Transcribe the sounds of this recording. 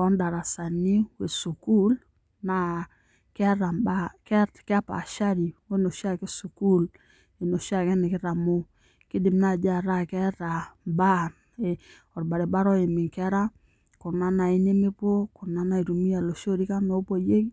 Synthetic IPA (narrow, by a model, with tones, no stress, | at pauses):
ɔ˦nda˨ɾa˨sa˨ni˦we˨su˨ku˦l | na˨ | kɛ˦ɾa˨mba˦kɛ˦ka˦pa̰˨ʃa˦ɾi˨we˦no˨ʃa˦ke˦su˨ku˦l | e˨no˨ʃa˦˨kɛ˦ne˨kɪ˦ɾa˨mo˦ | ki˦di˨mna˦˨d͡ʒa˦˨ɾa˦˨kɛ˦ɾa˨mba˦n | e˨ | ɔ˨ɾba˨ɾe˨ba˦ɾɔ˦e˨mi˨ŋkɛ˦ɾa˦ | ko˨na˦na˨i˦ne˦me˦po˦kʊ˨na˦na˦i˨ɾu˨mi˦a˨lo˨ʃo˦ɾi˦ka˦no˦po˦˨je˦ki˦